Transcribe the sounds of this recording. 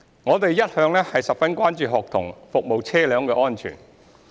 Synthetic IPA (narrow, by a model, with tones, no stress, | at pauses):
ŋɔː˨˧t̪e˨jjɐ˥t̚hœː˨˧ŋlɛː˥hɐ˨jsɐ˨p̚fɐ˥nkʷaː˥nt͡ʃyː˨ɦɔː˨k̚t̪ʰʊ̰˨˩ŋfʊ˨k̚mo˨wt͡sʰɛː˥lœː˨˧ŋkɛː˧ʔɔː˥nt͡ʃʰy̰ː˨˩n